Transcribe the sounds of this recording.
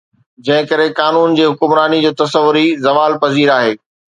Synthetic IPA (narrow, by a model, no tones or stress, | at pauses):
d͡ʑɐ̃ɦɪ̃kɐɾekaːnuːnd͡ʑiːɦʊkʊmɾaːnid͡ʑoːt̪ɐsəʋʊɾizɐʋaːlpɐziːɾaːɦeː